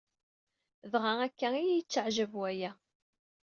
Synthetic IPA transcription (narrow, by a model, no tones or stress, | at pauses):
ðʁaækːæijijət͡sːəʕʒəvwæjæ